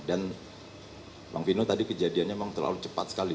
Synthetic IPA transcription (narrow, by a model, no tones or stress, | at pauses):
dan | mʔa̰ŋfinot̪adikəd͡ʒadianɲamemaŋt̪ərla̰lut͡ʃəpat̪sə̥kali